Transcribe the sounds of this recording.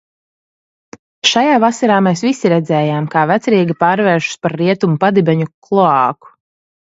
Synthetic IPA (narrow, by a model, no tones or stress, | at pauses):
ʃajaːvasaɾaːmeːsvisiɾɛd̪zɛːjaːmkaːvæt̪sɛɾiːɡʲipaːɾvɛːʃu̥spaɾːiɛt̪umupad̪ibɛɲuklˠɔaːku̥